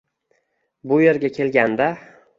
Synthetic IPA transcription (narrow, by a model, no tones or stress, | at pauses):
bʊje̞ɾɡʲakʲʰe̞lɡʲand̪a